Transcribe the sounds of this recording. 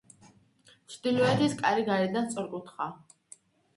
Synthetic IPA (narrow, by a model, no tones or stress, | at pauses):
t͡ʃʰd̪ilɔɛt̪ʰiskʼaɾiɡaɾid̪ant̪sʼɔɾkʼut̪ʰχa